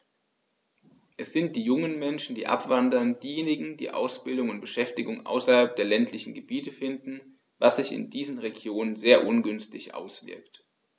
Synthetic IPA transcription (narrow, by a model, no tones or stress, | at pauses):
ʔɛsz̥ɪnt̚d̥iːjʊŋənmɛnʃn̩dḭːʔa̰pv̥andɐnd̥iːjeːnɪɡŋ̩d̥ḭːʔa̰ʊsb̥ɪldʊŋʊnt̚b̥əʃɛftɪɡʊŋʔa̰ʊsɐhalp̚d̥eːɐlɛntʰlɪçn̩ɡəbiːtəfɪndn̩ | vasz̥ɪçɪ̰ndiːzən̩ʁeɡjoːnənzeːɐʔʊnɡʏnstɪçʔa̰ʊsv̥ɪ̰ɐkt